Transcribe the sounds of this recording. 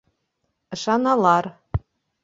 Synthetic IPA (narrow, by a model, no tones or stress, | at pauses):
ʃɑnɑlˠɑr